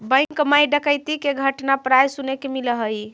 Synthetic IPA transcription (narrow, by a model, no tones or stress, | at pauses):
bə̃jŋkmajɖəkəjt̪ikeɡʱəʈnapɾajsunekemiləɦəj